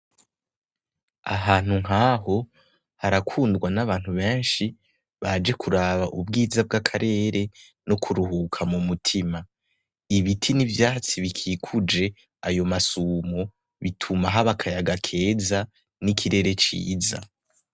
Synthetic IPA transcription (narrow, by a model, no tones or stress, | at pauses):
a̰ɦaːn̥huŋ̥ɦaːɦo̞ | haɾakʰuːndɡwanaβaːn̥huβe̞ːnʃi | βad͡ʒe̞kʰuɾaβaʔubɡiːzab̚ɡakʰaɾe̞ːɾe̞ | no̞kʰuɾuɦukʰamumutʰima | iβitʰinivjaːhat͡siβikʰikʰud͡ʒe̞ | ajo̞masuːmo | βitʰumaɦaβakʰajaɡakʰe̞ːza | nikʰiɾe̞ɾe̞t͡ʃḭːza̰